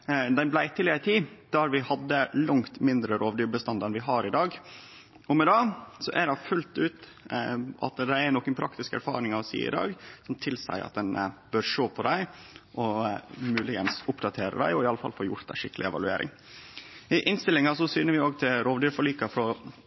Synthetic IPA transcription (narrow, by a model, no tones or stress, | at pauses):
d̪æɪblæɪt̪ʰɪlɪəɾət̪ʰiːd̪̥æɾʋɪhɑd̪ːəlʊŋt̪mɪnd̪ɾəɾʔoːʋd̪yːɾbəst̪ɑnd̪ɛnʋɪɦɑɾɪd̪ɑːɡ | ɔmɛd̪ɑːsɔʔæɾɖɑfʉlt̪ʉːt̪ | ʔɑ̰t̪d̪ææɾnɔːkːənpʰɾɑkt̪ɪskæ̰ɾfɑ̰ːɾɪŋɑɔsḭːɪ̰d̪ɑ̰ːɡsɔmt̪ʰɪlsæ̰ɪʔɑ̰t̪̚d̪ɛnbøːɾʂoːpʰɔd̪æɪʔɔmʉːlɪɡənsʊpd̪ɑt̪ʰeːɾə̰d̪æ̰ɪɔɪɑləfɑ̰lfoːɾjʊ̰ɾt̪̚d̪æ̰ɪʂɪkːəlɪɛ̰ʋɑ̰ʉḛːɾʔɪ̰ŋ | ɪʔɪnst̪ɪlːɪŋɑsɔsyːnəɾʋɪoːɡt̪ʰɪlɾoːʋd̪yːɾfɔɭiːkɑfɾɔ